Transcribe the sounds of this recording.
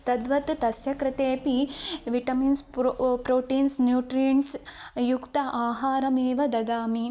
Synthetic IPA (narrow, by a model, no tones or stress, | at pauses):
t̪ɐd̪ʋɐt̪t̪ɐsjɐkɾɪt̪eːpiʋiʈɐminspɾoːʈiːnsnjuːʈɾijɐnsjukt̪ɐʔaːɦaːɾɐmeːʋɐd̪ɐd̪aːmi